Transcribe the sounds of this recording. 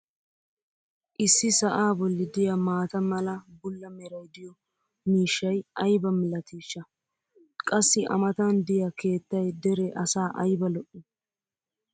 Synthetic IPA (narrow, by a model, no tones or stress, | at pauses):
ʔɪsːɪsɐʔaːbɔlːɪd̪ɪjɐmaːt̪ɐmɐlɐbʊlːɐmɛɾɐjd̪ɪjɔ | miːʃːɐjɐjbɐmɪlɐt̪iːʃːɐ | kʼɐsːɪʔɐ̰mɐt̪aːnd̪ɪjɐke̞ːt̪ːɐjd̪ɛɾɛʔɐsaːʔɐjbɐlɔʔːɛ